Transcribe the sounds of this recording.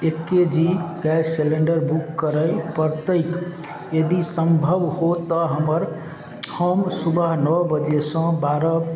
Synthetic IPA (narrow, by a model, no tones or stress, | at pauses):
ekːed͡ʒiɡɛselẽɳɖəɾbukːəɾəjpəɾt̪ək | jəd̪isəmbʱəbhot̪əɦəməɾ | həmsubəɦnəwbəd͡ʒesə̃baɾə